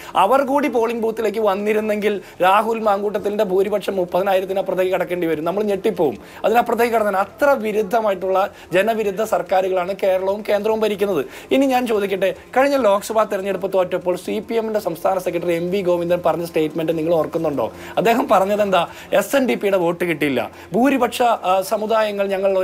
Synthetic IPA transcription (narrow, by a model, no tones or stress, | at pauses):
ɐ̰ʋɐrkuːɽipo̞ːɭiŋɡbuːt̪ːile̞ːk̬ːɨʋɐnːiɾunːe̞ŋɡil | ɾaːɦulmaːŋɡuːʈːɐt̪ːilnde̞bʱuːɾibɐʈʂɐmːupːɐðinaːjiɾɐt̪ːinaprɐt̪ɐɣikːɐɽɐkːe̞ːɳɖiʋɐɾumnɐmːɐɭɲe̞ʈːipːo̞ːum | ɐ̰ðinapːrɐt̪ːɐɣikːɐɽɐːɐnɐt̪rɐʋiɾud̪ʱːɐmaːjiʈːuɭːɐ | d͡ʑe̞nɐʋiɾud̪ʱːɐsɐrkaːɾuɣɐɭaːɳɨke̞ːɾɐɭɐʋumke̞ːnd̪rɐʋumbɐɾikʲːunːɐðɨ | iniɲaːnt͡ɕo̞ːd̪ikʲːiʈːekɐɻiɲːɐlo̞ːkɐsɐbaːt̪irɐɲːeɽup̬ːɐt̪ːoːʈːɐpːo̞ːɭsipiemindesɐmst̪ʰaːnɐsekːɾɐʈ̬ːɐre̞mbiɡo̞ːʋind̪ɐmpɐrɐɲːɐsʈe̞ːʈme̞ɳɖɨniŋːɐɭorkːunːuɳɖo̰ː | ɐd̪ːe̞ːɦɐmpɐrɐɲːɐðe̞nd̪aː | e̞senɖipːijuɽe̞ʋo̞ːʈːɨkiʈːijilːɐ̰ | bʱuːɾibɐʈʂɐsɐmuðaːjɐŋːɐɭɲɐŋːɐɭ